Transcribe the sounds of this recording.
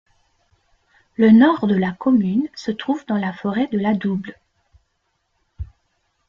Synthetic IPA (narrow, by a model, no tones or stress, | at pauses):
lənɔʁd̪əlakɔmynsət̪χuvd̪ɑ̃lafɔʁɛd̪əlad̪ubl